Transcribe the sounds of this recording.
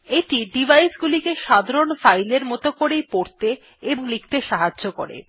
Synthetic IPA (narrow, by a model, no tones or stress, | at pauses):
eʈiɖibʱajsɡulikeʃad̪ʱaɾonfajleɾmɔt̪okoɾejpoɾt̪eː | boŋlik̚ʰt̪eʃaɦadʑoko̰ɾḛ